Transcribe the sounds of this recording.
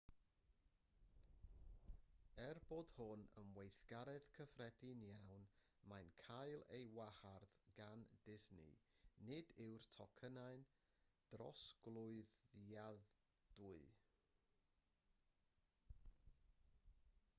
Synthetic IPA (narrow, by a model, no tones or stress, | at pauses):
ɛrboːd̥hʊnəmwejθɡ̥aɾɛðkʰəfrɛdɪnjawn | majnkʰajlˠejwaharðɡandɪznɪ̰nɪdɪwrtʰɔkʰənaɨn | d̥rɔ̰sɡ̥lˠʊɨða | d̥ʊɨ